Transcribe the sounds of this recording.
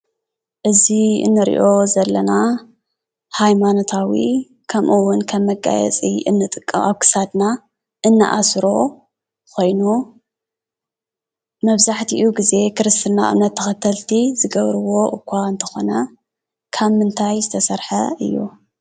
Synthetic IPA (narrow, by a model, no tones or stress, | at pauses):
ʔɨziɨ̰nːɨɾḭʔo̞zɐlːɐna | hajmanot̪ʰawi | kʰɐmʔɨwːʊnkʰɐmːɐɡʼa̰jɛ̰t͡sʼiɨ̰nːɨt̪ʼɨkʼːɐ̰maβkʰɨ̥sad̪na | ʔɨnːa̰ʔa̰sɾo̞ | kʰo̞jnu | mɐβzaħt̪ʰiʔuɡize̞kʰɨɾɨst̪ʰɨnːa̰ʔɨ̰mnɐt̪ʰːɐxɐt̪ʰɐlt̪ʰizɨɡɐβɾɨwo̞ʔɨkʰʷːaɨnt̪ʰɐ̥xo̞nɐ | kʰaβmɨnt̪ʰajzɨt̪ʰɐsɐɾħɐʔɨ̰jːṵ